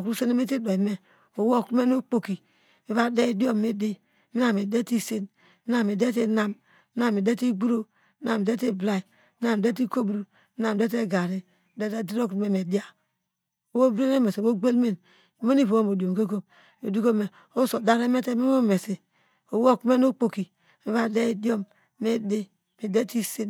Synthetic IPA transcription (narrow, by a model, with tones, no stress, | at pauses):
o˨kɾu˦se˦ne˦me˦ti˦do˨i˨me˦ | o˨wo˦˨kme˦no˦k͡po˦ki˨ | e˨˦βa˦de˦i˦di˦o˦me˨de˦˨˦ | mi˦na˨me˨de˦ti˦se˦n | i˦na˦me˨de˦te˦na˦m˦ | na˦me˨de˦ti˦ɡ͡bu˦ɾo˦ | na˦˨m˨de˦te˦bla˦˨i˨˦ | na˦m˨de˦t̬i˦ko˦bɾu˦ | na˦m˨de˦t̬e˦˨ɡa˨ɾi˦ | de˦de˦di˦ɾo˦kme˨me˨di˦a˦ | o˨wo˦bɾe˦ne˦me˨swo˦ɡ͡be˦lme˦n˨ | me˦ni˦βo˨wo˦mo˨do˨m˨ko˦ko˦m | o˨du˦ko˦me˨ | o˦so˨da˦ɾe˦me˦te˦me˦mo˦me˨se˨ | o˨wo˦kme˦no˦k͡po˨ki˨ | mi˦βa˦de˦di˦o˦m | me˦de˦ | mi˨de˦ti˦se˦n